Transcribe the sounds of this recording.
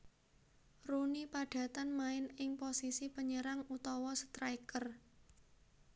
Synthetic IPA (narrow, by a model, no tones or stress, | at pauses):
runipaɖ̥ä̤t̪anmaɪnɪŋposisipəɲəɾaŋut̪ɔwɔsə̥t̪ɾaikər